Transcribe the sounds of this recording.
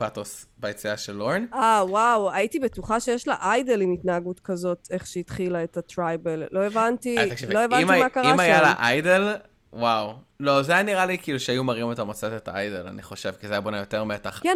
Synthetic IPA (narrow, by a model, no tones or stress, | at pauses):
patosbajet͡siaʃelːoʁnawawaitibetuχaʃejeʃlaʔajdelimitnaːɡutkɐzo̞te̞χʃeitχilaetatʁajbello̞evantiavloevanimamakaʁiamajala̰ʔajdel | waw | lo̞zaajaniʁalikiːluʃeajumaʁimetamot͡setet̪aajdela̰nḭχo̞ʃe̞vkizajabonajoteʁmetaχkɛ